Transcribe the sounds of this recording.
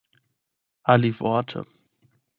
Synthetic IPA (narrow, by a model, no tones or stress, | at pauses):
ʔaliːfɔɐtʰə̰